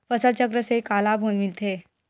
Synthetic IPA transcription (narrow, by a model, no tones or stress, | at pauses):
fəsəlt͡ɕəkɾəsekalabʱonmilt̪ʰe